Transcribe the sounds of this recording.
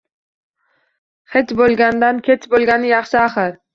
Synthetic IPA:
χet͡ʃbolˠɡʲand̪ankʲʰet͡ʃbolˠɡʲanɪjɑχʃɪaχɪɾ

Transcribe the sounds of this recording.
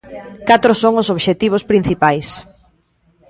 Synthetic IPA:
kat̪ɾʊsoŋʊsoβʃet̪iβ̞ospɾin̟θipajs

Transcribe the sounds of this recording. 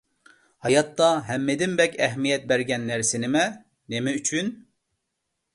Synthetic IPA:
hɑjɑt̪ːɑɦɛmːed̪ɪnbɛkʲɛɦmijɛt̪̚bɛɾɡʲɛnːæɾsɪnɪmɛ | nemɛyt͡ʃʰyn

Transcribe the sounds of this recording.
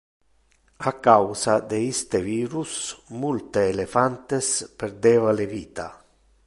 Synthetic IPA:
akawsad̪eist̪eviːɾusmult̪eːlefant̪espeɾd̪eːvaleviːt̪a

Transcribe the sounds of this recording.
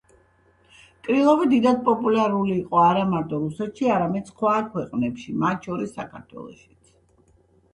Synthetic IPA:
kʼɾilˠɔvid̪id̪ad̪̚pʼɔpʼulaɾuliːqʼɔaɾamaɾt̪ʼɔɾusɛt̪ʃiaɾamɛd̪sχwakʰwɛqʼnɛpʃimat̪ʃɔɾisːakʰa̰ɾt̪ʰwɛ̰lˠɔ̰ʃi̥t̪sʰ

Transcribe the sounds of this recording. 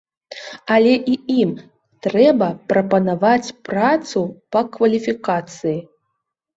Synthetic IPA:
ɐlʲɛʔiim | t̪ɾɛbɐpɾɐpɐnavat͡sʲpɾat̪supɐkvɐlʲifʲikat̪sɨji

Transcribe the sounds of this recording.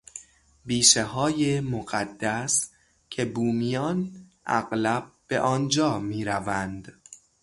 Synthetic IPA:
biːʃehɒːjemoɣæd̪ːæs | cʰe̞buːmijɒːnʔæ̰ɢlæb̥̚b̥e̞̰ʔɒːnd͡ʒɒːmiːɾævænd̪

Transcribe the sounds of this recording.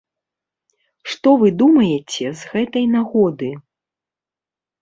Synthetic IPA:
ʂt̪ɔvɨd̪umɐjɛt͡sʲɛzɣɛt̪ɐjnaɣɔd̪ɨ

